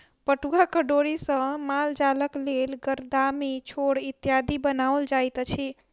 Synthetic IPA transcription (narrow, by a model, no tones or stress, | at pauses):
pəʈuɡakəɖoɾisə̃mald͡ʒaləklelɡəɾd̪amit͡ʃʰoɽit̪jad̪ibənaəld͡ʒajt̪t͡ʃʰi